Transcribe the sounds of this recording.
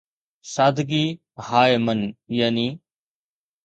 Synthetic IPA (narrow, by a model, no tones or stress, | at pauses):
saːd̪ʱɡiː | haːemənjaːniː